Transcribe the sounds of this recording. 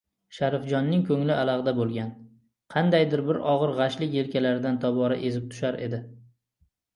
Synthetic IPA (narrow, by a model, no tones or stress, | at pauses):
ʃaɾɪfd͡ʒɒnːɪŋkʰɵŋlɪʔalˠaʁd̪abolˠɡʲan | qʰɑnd̪ajd̪ɪɾbɪɾɒʁɨɾʁɑʃlɪkʲe̞lkʲʰalaɾɪd̪ant̪ʰɒbɒɾa̰ʔe̞zɪp̚t̪ʰʊ̥ʃaɾʔe̞̰d̪ɪ